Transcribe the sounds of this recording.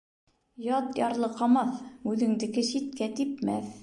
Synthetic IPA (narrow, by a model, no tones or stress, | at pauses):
jɑt̪jɑɾlˠɤqɑmɑθʉðɘ̆ŋd̪ɘ̆kɘʃit̪̚kæt̪ipmæ̰θ